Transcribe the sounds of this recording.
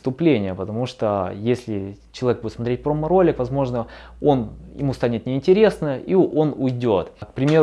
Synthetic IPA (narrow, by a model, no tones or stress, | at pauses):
st̪ʊplʲenʲɪjəpət̪ɐmuʂt̪ojesʲlʲɪt͡ɕɪlˠɐvʲeɡbudʲɪt̪smɐt̪ɾet̚ʲpɾoməɾo̞lʲɪkvɐzmo̞ʐnə | o̞njɪ̰must̪anʲɪt̪nʲɪɪnʲtʲɪɾʲe̞snəio̞nʊjdʲo̞t̪kpɾʲɪmʲeɾ